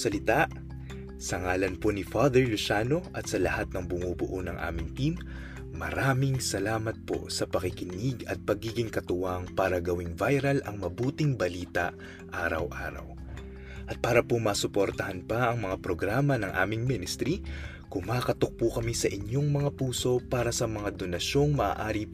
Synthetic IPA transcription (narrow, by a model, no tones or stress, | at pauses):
ɐlɪt̪aʔ | sɐŋaːlɐnponɪfad̪ɛɹlʊʃaːno̞ʔɐt̪sɐlɐhat̪̚nɐŋbʊŋubʊʔonɐŋʔa̰ːmɪŋt̪imː | ɐ̰ɾaːmɪŋsɐlaːmɐt̪̚po̞̰sɐpɐkɪkɪniɡɐ̰t̪̚pɐɡiːɡɪŋkɐt̪ʊwaŋpaːɾɐɡɐwɪŋvajɾɐlɐŋmɐbuːt̪ɪŋbɐliːt̪ɐ | ʔaːɾɐ̰wʔa̰ːɾɐ̰w | ʔɐt̪̚paːɾɐpomɐːsʊpoɾt̪ɐhɐnpɐʔɐŋmɐŋapɾoɡɾaːmɐnɐŋʔa̰ːmɪŋmɪnɪst̪ɾi | kʊŋmaːkɐt̪ok̚pukɐmisɐʔɪɲjo̞ŋmɐŋapuːso̞paːɾɐsɐmɐŋad̪o̞nɐʃo̞ŋmɐʔa̰ʔaːɾi